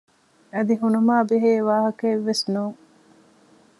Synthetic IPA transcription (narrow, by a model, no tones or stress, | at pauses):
ɐd̪iɦunumaːbeɦeːʋaːɦɐkeʋːesnuːŋ